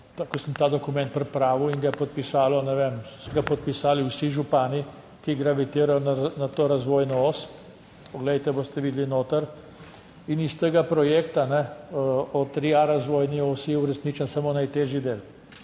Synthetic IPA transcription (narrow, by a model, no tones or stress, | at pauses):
t̪akɔsəmt̪aːd̪ɔkumɛ̃nt̪̚pɾɛpɾaːʋiwiŋɡajɛpɔt̪̚pisaːlɔnɛʋemsɔɡapɔt̪̚pisaːliwsiʒupaːni | kiɡɾaʋit̪iːɾajɔnanat̪oɾazʋoːjnɔos | pɔɡlɛjt̪ɛboːst̪ɛʋiːd̪linoːt̪əɾ | inist̪əɡapɾɔjeːkt̪anɛ | ɔt̪ɾiaɾazʋoːjniosijɛuɾɛsnit͡ʃənsamonajt̪eːʒjid̪eːl